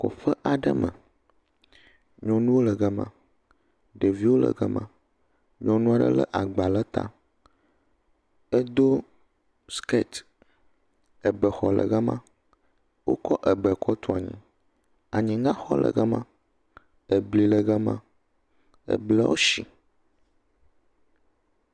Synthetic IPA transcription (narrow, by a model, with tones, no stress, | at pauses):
ko̰˨ɸə˦ʔa˨ɖə˦mə̰̃˨ | ɲɔ̃˨nũ˦wo˦lə˨ɡə˦mã̰˨ | ɖə˨vi˦wo˦lə̰˨ɡə˦mã˨ | ɲɔ̃˨nũ˦a˦ɖə̰˦lə̰˦ʔa˨ɡ͡ba˨lə˦t̪a̰˦ | ə˦d̪o˦ | ske˦˨t̪ | ə˨bə˨xɔ˨lə̰˨ɣə˦mã̰˦ | wo̰˦kɔ˦ʔə˨ɡ͡bə˨kʰɔ˦t̪ʰo˦˨a˨ɲḭ̃˨ | a˨ɲĩ˨ŋã˦xɔ˦lə̰˨ɡə˦mã˦ | ə˨bli˨lə˨ɡə˦mã̰˦ | ə̰˦blə˦wo̰˦ʃḭ˨